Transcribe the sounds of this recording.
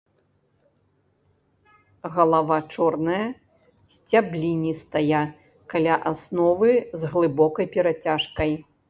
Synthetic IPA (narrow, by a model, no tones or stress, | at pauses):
ɣɐlˠavat͡ʂɔrnɐjɐ | sʲt͡sʲablʲinʲist̪aja | kalʲaʔasnɔvɨzɣlˠɨbɔkɐjpʲɛɾat͡sʲaʂkɐj